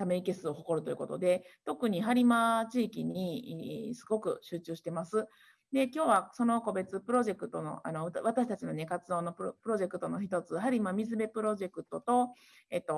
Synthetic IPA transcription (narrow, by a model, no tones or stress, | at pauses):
t̪ame̞ike̞sɨo̞ɦo̞ko̞ɾɯ̟t̪o̞jɯ̟ko̞t̪o̞d̪e̞t̪o̞kɯ̟ɲ̟iɦaɾʲimat͡ɕiːkʲiɲ̟isɨ̥ɡo̞kɯ̟̰ɕɨːt͡ɕɨːɕi̥t̪e̞masɨ | d̪e̞kʲo̞ːβaso̞no̞ko̞be̞t͡sɨpɯ̟ɾo̞ʑe̞kɯ̟t̪o̞no̞̰ʔano̞βat̪aɕi̥t̪at͡ɕino̞ne̞kat͡sɨd̪o̞ːno̞ppɯ̟ɾo̞ʑe̞kɯ̟̥t̪o̞no̞çit̪o̞t͡sɨɦaɾʲimamʲizɨbe̞pɯ̟ɾo̞ʑe̞kɯ̟t̪o̞t̪o̞ | et̪ːo̞